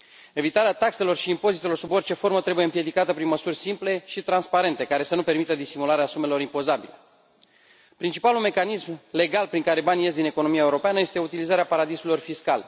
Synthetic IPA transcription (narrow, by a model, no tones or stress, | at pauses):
e̞vit̪aɾeat̪akse̞lo̞rʃiːmpo̞zit̪e̞lo̞rsubo̞rʲt͡ʃe̞fo̞ɾmət̪ɾe̞buje̞ɨmpje̞d̪ikat̪əpɾinməsurʲsimple̞ʃit̪ɾanspaɾe̞nt̪e̞kaɾe̞sənupe̞rmit̪əd̪isimulaɾeasume̞lo̞ɾimpo̞zabile | pɾint͡ʃipalume̞kanismle̞ɡalpɾiŋkaɾe̞banije̞st̪d̪ine̞ko̞no̞miaeuɾo̞peanəje̞st̪e̞ut̪ilizaɾeapaɾad̪isulo̞rfiska̰l